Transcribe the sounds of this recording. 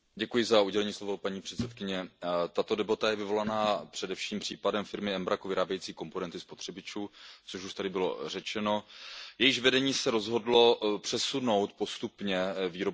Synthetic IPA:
ɟɛkujɪzauɟɛlɛɲiːslo̞vo̞paɲiːpr̝̥ɛt̪sɛt̪kɪɲɛt̪at̪odɛbat̪ajɛvɪvo̞lanaːpr̝̥ɛdɛfʃiːmpr̥iːpadɛmfɪɾmɪɛmbɾakuvɪɾaːbjɛjiːt͡siːko̞mpo̞nɛnt̪ɪspot̪r̥ɛbɪt͡ʃuːt͡soʃuʃt̪adɪbɪlo̞̰r̝ɛt͡ʃɛno̞jɛjɪʃvɛdɛɲiːsɛɾo̞zɦo̞dlo̞pr̝̥ɛsuno̞wt̪po̞st̪upɲɛviːɾo

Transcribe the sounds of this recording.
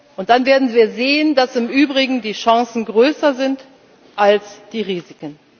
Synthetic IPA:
ʔʊnt̚d̥anveːɐdn̩viːɐzeːəndasɪmʔyːbʁɪɡŋ̩diːʃãŋsn̩ɡʁøːsɐzɪnt | ʔalsd̥iːʁiːzɪkən

